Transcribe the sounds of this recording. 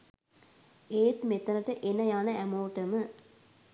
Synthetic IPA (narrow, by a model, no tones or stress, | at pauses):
eːt̪met̪ːɐnɐʈɐʔenːɐjaːnɐʔæmoːʈːɐmɨ